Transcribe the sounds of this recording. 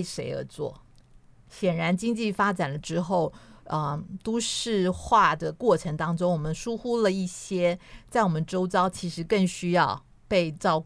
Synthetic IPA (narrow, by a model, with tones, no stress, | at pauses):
ʂe˧˥ɪə̰˧˥t͡swɔ̰˥˩ | ɕjɛ˨˩nɻa˧˥nt͡ɕi˥ŋt͡ɕi˥˩fa˥ʈ͡ʂa˨˩nlə˦ʈ͡ʂɻ̩˥xo˥˩ʊə˧t̪wɔ˥ʂɻ̩˥˧xwa˥˩d̪ə˩kwɔ˥˩ʈ͡ʂʰɤ˧˥ŋt̪ɑ˥ŋʈ͡ʂʊ˥ŋwɔ˨˩mə˦nʂu˥xu˥lə˨i˥˩ɕjɛ˥t͡sa˥˩ɪwɔ˨˩mə˦nʈ͡ʂo˥ʊt͡sɑ˥ʊt͡ɕʰi˧˥ʂɻ̩˧˥kə˥˩ŋɕy˥jɑ˥˧ʊ | pe˥˧ɪʈ͡ʂɑ˥˧ʊ